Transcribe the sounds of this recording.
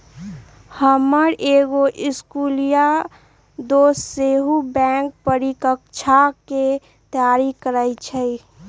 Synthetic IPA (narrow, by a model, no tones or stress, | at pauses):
həməɾʔeɡoʔɪskulija | d̪oːsseɦubɛ̃ŋk̚pəɾikək̚t͡ʃʰake | t̪əjaɾikəɾəjt͡ʃʰəj